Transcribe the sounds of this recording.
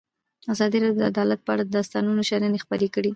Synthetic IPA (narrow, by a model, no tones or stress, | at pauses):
azɑd̪iɾɑdjod̪əad̪ɑlat̪̚pəaɽad̪əd̪ɑst̪ɑnunoʃaɾanexpəɾekəɽi